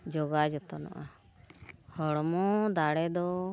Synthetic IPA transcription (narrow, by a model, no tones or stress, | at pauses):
d͡ʒɔɡad͡ʒɔt̪ɔnɔ̰ʔa | hɔɽɔmɔd̪aɽɛd̪ɔ